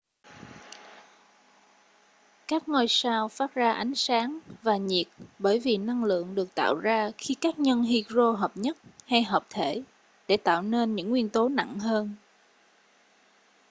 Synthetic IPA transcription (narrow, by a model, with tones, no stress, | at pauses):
kaː˦˥k̚ŋɔ˧jsaː˧wfaː˦˥t̚zaː˧ʔa˨˦jŋ̟saː˨˦ŋvaː˨˩ɲi˨˩ət̚ɓəː˧˩jvi˨˩na˧ŋlɨ̰˧˨əŋɗɨ˨˩ək̚t̪a̰ː˧˨wzaː˧xi˧kaː˦˥k̚ɲə˧nɦi˧kzo˧ɦəː˨˩p̚ɲə˦˥t̚ha˧jɦəː˨˩p̚t̪ʰe˧˩ | ɗe˧˩t̪a̰ː˧˨wne˧nɲɨ̰˧˥ŋːwi˧ənt̪o˨˦na̰˧˨ŋɦəː˧n